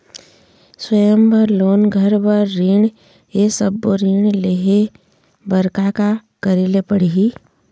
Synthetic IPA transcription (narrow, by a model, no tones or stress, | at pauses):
swəjəmbʱəɾloːnɡʱəɾbəɾːiːɳ | esəbːoɾiːɳ̃leɦe | bəɾkakakəɾilepəɽiɦi